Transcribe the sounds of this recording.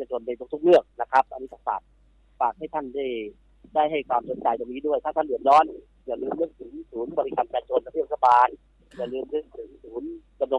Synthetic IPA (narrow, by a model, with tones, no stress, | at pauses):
t͡ɕaː˧˩t͡ɕo˧npa˧jt̪ʰu˦˥kt̪ʰu˦˥k̚lɯ˥˩ək̚na˦˥kʰa˦˥p̚ʔa˧nːiː˦˥t̪ʰɔː˨˩ŋsa̰˨˩t̪̚ | faː˨˩k̚ha˥˩jt̪ʰa˥˩ndaː˥˩j | daː˥˩jɦa˥˩jkʰwaː˧msʰo˨˦n̚t͡ɕa˧jt͡ɕa˧˩niː˦˥du˥˩əjt̪ʰaː˥˩t̪ʰa˥˩ndɯ˨˩ət̪̚ɾɔː˦˥˨n | kɛ˧˩lɯː˧mlɯ˥˩ək̚sɯː˩˦nsuː˨˩˦nbɔ˧li˧kʰa˧nt͡ɕaː˧t͡ɕo˧nːa˧˥pʰp̚sʰa˧˩baː˧n | t͡ɕaː˨˩lɯ˧nlɯ˥˩ək̚sɯ˨˩˦ŋsuː˩˦n | ka˧mlo˧